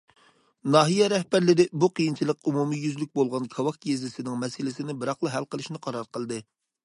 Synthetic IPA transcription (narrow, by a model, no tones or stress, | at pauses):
nɑːɦijɛɾɛhbæɾlɪɾɪbuqijint͡ʃʰilˠəqumumijyzlyk̚ʲbolˠʁɑnkʰɑwɑkkɡezɪsɪnɪŋmɛsɪlɪsɪnɪbɪɾɑχlˠəɦælˠqəlˠɨʃnɨqʰɑɾɑɾqəlˠd̪ɨ